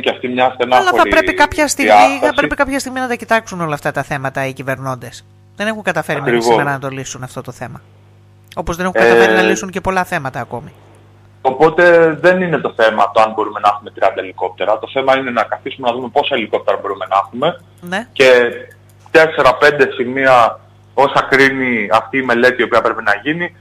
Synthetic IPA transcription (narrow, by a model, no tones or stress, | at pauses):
ceɐft̪imɲɐsenɐlɐoɐɾipɾepikɐpçɐst̪iiɣmɐiɐɐspɾe̞pikɐpçɐst̪iɣminɐt̪ɐcit̪ɐksuno̞lɐft̪ɐt̪ɐθe̞mɐt̪ɐicive̞ɾno̞nd̪e̞s | ðe̞ne̞xuŋɡɐt̪ɐfe̞ɾɐimeɾisiomeɾɐnɐt̪o̞lisunɐft̪o̞t̪oθe̞mɐ | opo̞zðene̞xuŋkɐɐeɾinɐlisuɲce̞po̞lɐθe̞mɐt̪ɐːko̞mi | opo̞t̪e̞ðe̞nine̞t̪o̞θe̞mɐ̰t̪oɐnbo̞ɾume̞nɐɐxumet̪ɾiɐnd̪ɐeliko̞p̚t̪e̞ɾɐt̪o̞θe̞mɐine̞nɐkɐθisume̞nɐðume̞po̞sɐeliko̞p̚t̪e̞ɾɐbo̞ɾume̞nɐɐxume̞ | ne̞ce̞ | t̪e̞se̞ɾɐpe̞nd̪e̞simiɐ | o̞sɐkɾiniɐft̪iːme̞le̞t̪iːo̞piɐpɾe̞penɐʝini